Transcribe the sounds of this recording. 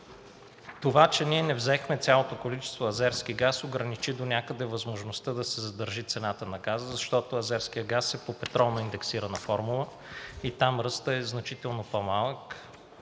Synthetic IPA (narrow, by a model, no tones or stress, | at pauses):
t̪ovat͡ʃɛniɛnɛvzɛxmɛt̪sʲalˠot̪okolit͡ʃɛ̥st̪voɐzɛɾskiɡasoɡɾənit͡ʃid̪onʲakəd̪ɛvɐzmoʒnost̪əd̪ɐsɛzɐd̪əɾʒit̪sɛnat̪ənɐɡazəzɐʃt̪ɔt̪oɐzɛɾskijəɡasɛpopɛt̪ɾɔlˠnoind̪ɛksiɾənəfɔɾmulˠə | it̪amɾɤst̪əɛznɐt͡ʃit̪ɛlˠnopomalˠək